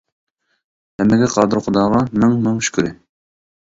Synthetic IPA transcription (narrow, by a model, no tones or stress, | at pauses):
hɛmːɪɡʲɛqʰɑːd̪ɨɾχʊd̪ɑːʁɑnɨŋnɨŋʃy̥kʲyɾɪ